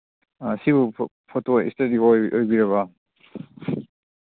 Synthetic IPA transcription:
siβu | pʰotoḭstɐdioojbiɾɐβɐ

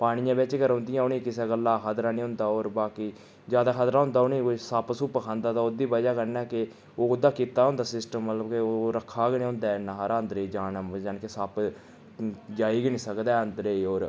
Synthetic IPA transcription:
paːɽ̃ɪjãːbɪt͡ʃkəɾɦʊ̃nd̪ɪjãːʊnĩːkɪseːɡəlːaːkʰət̪ɾaːnĩːɦʊ̃nd̪aːoːɾbaːkiː | d͡ʒaːd̪aːkʰəd̪ɾaːɦʊ̃nd̪aːʊniːsapsuːpəkʰãːnd̪aːt̪aːod̪iːbəd͡ʒaːkəɾnɛːkɪ | oːʊd̪ːaːkiːt̪aːɦʊ̃nd̪aːsɪsʈəmːət̪ləbkeoːɾəkʰːaːɡnĩːɦʊ̃nd̪aːnaɦɾãːnd̪ɾeiːd͡ʒaːnəd͡ʒaːnkesap | d͡ʒaːiːɡnĩːsəkd̪aːənd̪ɾeːiːoːɾ

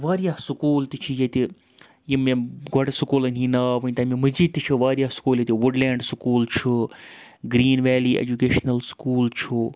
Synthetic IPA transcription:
ʋaːɾjaːsukuːlt̪it͡ʃʰijet̪i | jimẽɡʱɔʈsukulɐnʲɦinaːʋɨnt̪amimɐziːd̪̚t̪it͡ʃʰiʋaːɾjaːsu̥kuːljet̪iʋuɖlɛːɳɖsukuːlt͡ʃʰu | ɡɾiːnʋɛːliːḛd͡ʒukeːʃnɐlskuːlt͡ʃʰu

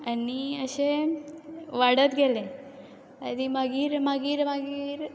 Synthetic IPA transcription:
aniəɕe | ʋaɽət̪ɡʱelẽ | əd̪imaɡiːɾmaɡiːɾmaɡiːɾ

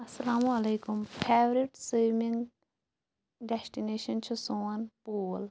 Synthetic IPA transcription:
ɐsɐlaːmuɐleːkʊmpʰeːʋɾiʈsiːmĩŋɡ | ɖɛsʈineːʃɐnt͡ʃʰusoːɐnpuːl

